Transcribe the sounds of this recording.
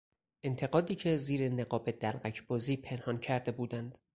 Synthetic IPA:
ʔe̞nt̪ʰe̞ɡɒːd̪iːcʰe̞ziːɾe̞neɡɒːbe̞d̪ælɢæcʰbɒːziːpʰe̞nhɒncʰæɾd̪e̞buːd̪ænd̪̥

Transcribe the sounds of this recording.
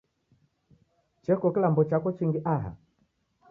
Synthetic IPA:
t͡ʃɛkɔkilambɔt͡ʃakɔt͡ʃiŋɡiʔaɦa̰

